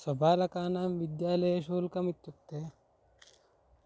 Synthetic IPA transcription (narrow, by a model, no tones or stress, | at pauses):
sɐbʱaːlɐkaːnaːmʋid̪jaːlɐjeʃoːlkɐmit̪ːukt̪ːeː